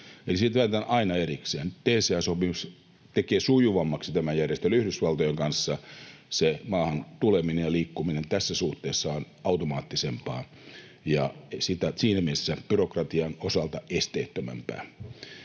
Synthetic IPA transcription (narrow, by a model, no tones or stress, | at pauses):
elisit̪ʋæːt̪ænʔɑinɑerikseːnt̪enseæsopimus | t̪ekeːsujuʋɑmːɑksit̪æmæjærjest̪elyhɾysʋɑlt̪ojeŋkɑnsːɑsemɑːhɑnt̪uleminejjɑliːkːuminent̪æsːæsuht̪ːˑeːsːɑon | ɑut̪omɑːt̪ːisempɑ̰ː | jɑsit̪æsiːnæmieesːæb̥yrokrɑt̪iɑnosɑlt̪ɑest̪eːt̪ːømæ̰mpæ̰ː